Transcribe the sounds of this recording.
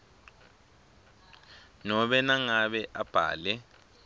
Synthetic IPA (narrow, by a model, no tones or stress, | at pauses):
nɔɓɛnaŋaɓɛʔab̥ʱa̰ːlɛ